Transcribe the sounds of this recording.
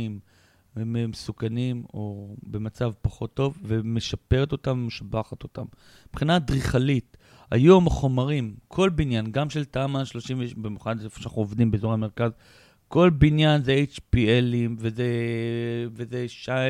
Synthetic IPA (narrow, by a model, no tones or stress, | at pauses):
im | memesukanimo̞be̞mat͡savpaχo̞t̪ːo̞vve̞me̞ʃapeʁet̪o̞tamvemeʃabaχat̪o̞tam | pχinadʁiχalit | a̰jomaχo̞maʁimkʰo̞lbinjanɡamʃe̞ltamaʃlo̞ʃimvbimjuχanfo̥ʃanaχnuovd̪imbezoʁameʁkaz | ko̞lbinjanzeejt͡ʃpielimveze | vezeʃa